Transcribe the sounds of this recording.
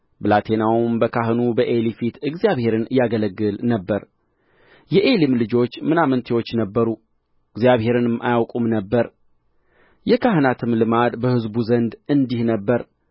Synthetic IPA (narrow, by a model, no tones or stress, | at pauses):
bɨlat̪ʰe̞nawumbəkʰaɦɨnubəʔelifit̪ɨɡzijaβhe̞ɾɨnjaɡələɡːɨlnəbːəɾ | jɛʔe̞limlɨd͡ʒo̞t͡ʃːmɨnamənt̪ʰewo̞t͡ʃːnəbːəɾu | ɨɡzjaβhe̞ɾɨnɨma̰jawkʼumnəbːəɾ | jɛkʰaɦɨnat̪ʰɨmlɨmad̪bəhɨzbuzənd̪ɨnd̪ihnəbːəɾ